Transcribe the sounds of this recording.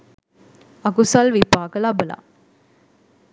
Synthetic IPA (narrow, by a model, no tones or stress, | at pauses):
ɐkusɐlʋipaːkəlɐbəla̰